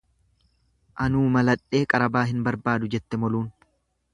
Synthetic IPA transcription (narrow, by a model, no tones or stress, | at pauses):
ʔɐnuːmɐlɐᶑe̞ːkʼɐɾɐbaːɦɪnbɐɾbaːd̪ʊd͡ʒɛt̪ːɛmɔluːn